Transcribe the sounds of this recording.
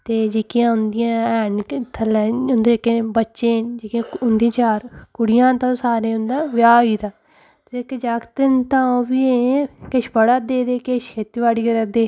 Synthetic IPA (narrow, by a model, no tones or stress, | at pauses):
t̪eːd͡ʒekijãːʊnd̪ɪjãːɛːnt̪ʰəlɛʊnd̪eekːebəːʃẽːd͡ʒekãːʊnd̪ĩːt͡ʃaːɾkʊɽɪjãːt̪ãsaːɾẽːʊ̃nd̪ãːʋjaːiːt̪aː | t̪eekːed͡ʒaːkt̪ent̪ãːõːbiːẽkɪʃbəɽaːd̪eːd̪eːkɪʃʰet̪iʋaːɽiːɡəɾəd̪eː